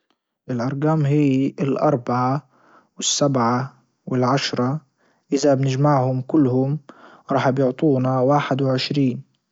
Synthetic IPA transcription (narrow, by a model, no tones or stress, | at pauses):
ʔɪlʔɑɾˤɡaːmɦiːɪlʔɑ̰ɾˤbaʕa | wɪsːabʕa | wɪlʕaʃɾˤɑ | ʔɪðabnɪd͡ʒmaʕhʊmkʊlːhʊm | ɾˤɑːħbjʊʕt̪ˤuːnawaːħɪd̪wɪʕɪʃɾiːn